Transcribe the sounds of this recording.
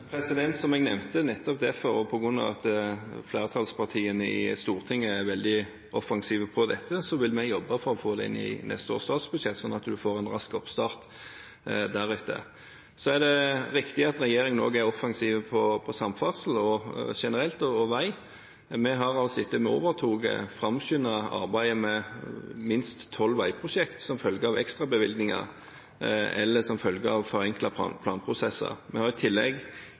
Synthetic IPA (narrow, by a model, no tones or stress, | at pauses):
pʰɾɛsɪd̪ɛnt̪sɔmɛɡnɛmt̪ənɛt̪ːɔp̚d̪ɛfɔɾɔpʰɔɡʁʉnːɑ̰ʋɑ̰t̪fleːʁət̪ʰɑlspʰɑʁt̪ʰiːənəɪ̰st̪uːʁt̪ʰɪŋːəæɾʋɛld̪ɪ | ʔɔfɑŋsiːʋpʰɔd̪ɛt̪ʰːəsɔʋɪlmɛjɔbːəfɔɾɔfoːd̪ɛɪ̰nːɪ̰nʔɛ̰st̪əo̰ːst̪ɑːt̪sbʉd̪ʂɛt̪ːsɔnːɑt̪d̪ʉfoːʁɛnʁɑskɔpst̪ɑːʁt̪ | d̪æɾʉːt̪ʰːə̰ | sɔæd̪ɛɾɪkt̪ɪɑt̪ɾɛjeːɾɪŋno̰ːɡæɾɔfɑŋsiːʋpʰɔpʰɔsɑmfɑʁsəl̩ɔʂɛnəʁɛlt̪ɔɔʋæɪ | mɛɦɑʁɑlsɪt̪ːəmɛo̰ːʋəʁt̪ʰuːɡə̰fʁɑmɕʏnɑɑ̰ʁbæɪəmɛ | mɪnst̪ʰːɔlːʋæɪpʰʁʊʃɛkt̪sɔmfœlɡəɑʋɛ̰kst̪ʁɑbəʋɪlɡ̪nɪŋɑ̰ | ɛ̰lːəsɔmfœlɡəɑʋfɔʁɛŋklɑpʰɑ̰pʰlɑːnpʰʁʊsɛsːə̰mɛhɑɾɪt̪ʰɪlːɛ̰ɡ